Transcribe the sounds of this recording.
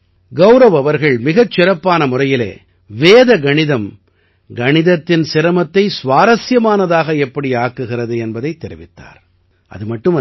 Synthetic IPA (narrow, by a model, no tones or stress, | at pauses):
ɡɐʊɾɐʋɐʋɐɾɣɐɭmɪɣɐt͡ʃːɪɾɐpːaːnɐmʊrɐjɪlḛː | ʋeːðɐɡɐɳɪðɐm | ɡɐɳɪðɐt̪ːɪnsɪɾɐmɐt̪ːɐɪsʋaːɾɐsjɐmaːnɐðaːɣɐɛpːɐɽiaːkːɯɣɪrɐðɯɛnbɐðɐɪt̪ːɛɾɪʋɪt̪ːa̰ːɾ | ʔɐ̰ðɯmɐʈːɯmɐ